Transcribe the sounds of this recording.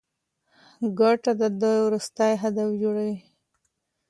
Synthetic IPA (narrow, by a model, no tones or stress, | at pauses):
ɡaʈad̪əd̪ojwɾust̪ajɦad̪afd͡ʒoɽawi